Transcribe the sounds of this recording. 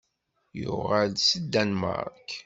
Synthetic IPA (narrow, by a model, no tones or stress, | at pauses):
jʊʁælsəd̪ːænmə̰ɾˤk